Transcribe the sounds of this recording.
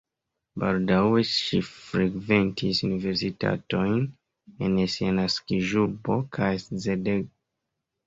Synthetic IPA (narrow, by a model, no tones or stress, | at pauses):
baldawe̞ʃifɾeɡve̞ntʰisunive̞ɾsita̰to̞jn | ensianaskiʒubo̞kʰajszedeɡo